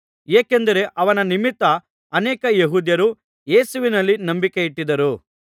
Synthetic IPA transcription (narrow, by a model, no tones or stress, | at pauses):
eːkend̪ɐɾe̞ʔɐʋɐnɐnimit̪ːɐː | neːkɐjeɦuːd̪jɐɾu | je̞ːsuʋinɐlːinɐmbikeiʈːid̪ɐɾu